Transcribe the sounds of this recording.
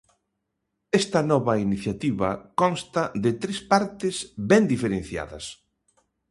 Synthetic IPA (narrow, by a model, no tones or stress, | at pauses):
ɛst̪ɐnɔβɐiniθjat̪iβɐ̰kɔnst̪ɐðɪt̪ɾespaɾt̪ɪsbɛnd̪ifeɾen̟θja̰ðɐ̰s